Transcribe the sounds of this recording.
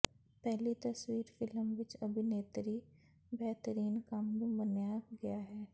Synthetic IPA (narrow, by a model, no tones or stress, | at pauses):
pɛɦlit̪ɐswiːɾfɪləmʋɪt͡ʃɐbʱineːt̪ɾi | bɛɦt̪əɾiːnkaːmɡobənjaːbɡɐjaɦɛː